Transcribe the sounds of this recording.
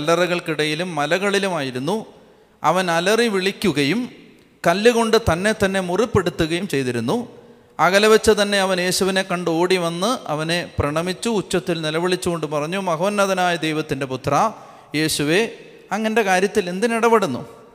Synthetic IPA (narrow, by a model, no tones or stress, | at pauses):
ɐlːɐrɐɣɐɭkiɽɐjilumːɐlɐɣɐɭilumaːjiɾunːu | ɐʋɐnɐlɐriʋiɭikʲːuɣɐjum | kɐlːuɣo̞ɳɖɨt̪ɐnːe̞t̪ːɐnːe̞muripːe̞ɽut̪ːuɣɐjumt͡ɕe̞jt̪iɾunːu | ɐɣɐlɐʋɐt͡ɕːɐt̪ɐnːe̞ɐʋɐnje̞ːɕuʋine̞kːɐɳɖo̞ːɽiʋɐnːɨʔɐ̰ʋɐneprɐɳɐmit͡ɕːuːt͡ɕːɐt̪ːilnilɐʋiɭit͡ɕːuɣo̞ɳɖɨpɐrɐɲːumɐɣɐʋɐnːɐðɐnaːjɐd̪ejʋɐt̪ːinde̞put̪rɐ | je̞ːɕuʋe̞ | ɐŋːɐnde̞kaːɾjɐt̪ːile̞nd̪iniɽɐpeɽunːṵ